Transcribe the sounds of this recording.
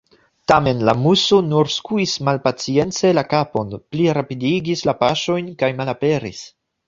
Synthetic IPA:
tame̞nlamuso̞nuɾskuismalpat͡sie̞nt͡se̞lakapo̞npliɾapidiɡislapaʃo̞jnkajmalape̞ɾḭs

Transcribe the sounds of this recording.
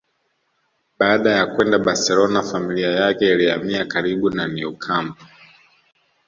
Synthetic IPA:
ɓaːɗajakwɛndaɓaɾsɛlɔnafamiliajakɛiliamiakaɾiɓunaniukʰambu

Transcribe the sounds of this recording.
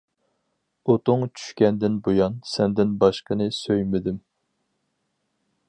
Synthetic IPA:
ot̪ʊŋt͡ʃʰy̥ʃkʲɛnd̪ɪnbojɑnsɛnd̪ɪnbɑʃqənɨsøjmɪd̪ɪm

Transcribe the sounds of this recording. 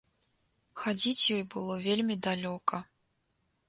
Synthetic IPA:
xad͡zʲit͡sʲjɔjbɨlˠɔvʲelʲmʲid̪alʲɔkɐ

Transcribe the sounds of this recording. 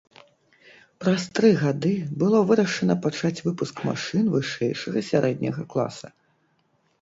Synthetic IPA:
pɾɐst̪ɾɨɣad̪ɨbɨlˠɔvɨɾɐʂɐnɐpat͡ʂat͡sʲvɨpuskma̰ʂɨnvɨʂɛjʂɐɣɐsʲaɾʔɛd̪ʲnʲɐɣɐklˠa̰sɐ

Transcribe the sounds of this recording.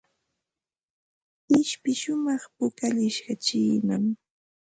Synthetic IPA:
ɪʃpɪʃʊmɑχpʊkaʎɪʃkat͡ʃiːnam

